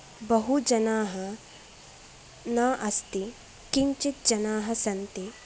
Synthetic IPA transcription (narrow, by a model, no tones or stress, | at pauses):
bɐɦud͡ʒɐnaːɦɐ | naːʔɐst̪i | kiɲt͡ʃit̪̚d͡ʒɐnaːɦɐsɐnt̪i